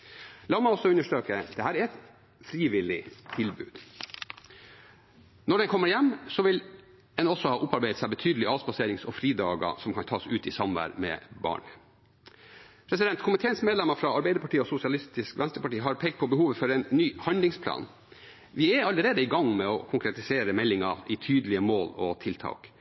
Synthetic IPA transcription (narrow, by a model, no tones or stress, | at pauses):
lɑːmæɪɔsɔʉnːəʂʈøːkəd̪̥ɛhæːɾæɾɛt̪ | fɾiːʋɪlɪt̪ʰɪlbʉ̰ːd̪̥ | nɔɖɛnkʰɔmːəɾjɛmːsɔʋɪl | ɛnɔsɔhɑːʔʊpːɑɾbeɪət̪sæɪbət̪ʰyːd̪əlɪɑːspɑseːɾɪŋsɔfɾiːd̪ɑ̰ːɡə̰sɔmkʰɑnt̪ʰɑːsʉːt̪ɪsɑmʋæ̰ɾmɛ̰bɑ̰ːɳ | pʰɾɛs̬ɪd̪ɛnt̪kʰʊmɪt̪ʰeːənsmeːd̪lɛmːɑfɾɑɑɾbæɪd̪əpɑʈiːɔsʊsɪɑlɪst̪ɪskʋʔɛnst̪ɾəpɑʈiːɦɑɾpʰɛɡpʰɔbəhuːʋəfɔɾɛɪnːyːhɑnlɪŋspʰlɑ̰ːn | ʋɪɛɑlːəɾeːd̪əɪɡɑŋmɛɔkʰʊŋkɾɛt̪ɪseːɾəmɛlːɪŋɑɪt̪ʰyːd̪əlɪəmoːlɔ̰t̪ʰɪlt̪ʰɑ̰ːk